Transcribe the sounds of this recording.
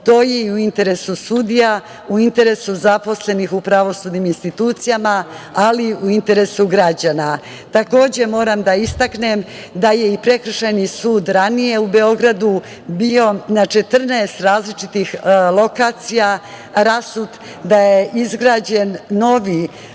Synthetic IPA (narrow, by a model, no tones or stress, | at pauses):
t̪o̞ːjeiuint̪e̞ɾe̞susud̪ija | uint̪e̞ɾe̞suzapo̞sle̞nixupɾaʋo̞sud̪niminst̪it̪uːt̪sijamaaliuint̪e̞ɾe̞suɡɾad͡ʑana | t̪ako̞ːd͡ʑe̞mo̞ːɾamd̪aist̪akne̞m | d̪aje̞ipɾe̞kr̩ʃajnisuːd̪ɾanije̞ube̞o̞ɡɾad̪u | bio̞nat͡ʃe̞t̪r̩naest̪ɾaːzlit͡ʃit̪ixlˠo̞kaːt̪sija | ɾasud̪ | d̪ajeʔizɡɾaːd͡ʑe̞nno̞ʋi